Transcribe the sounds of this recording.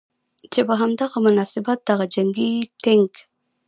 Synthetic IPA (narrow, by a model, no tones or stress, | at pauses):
t͡ʃepəɦamd̪aɣamʊnɑsɪbat̪̚d̪aɣad͡ʒaŋɡit̪ɪŋk